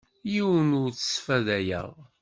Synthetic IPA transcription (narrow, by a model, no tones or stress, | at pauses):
jiwənʊɾt͡sə̥sfæðæjə̰ʁ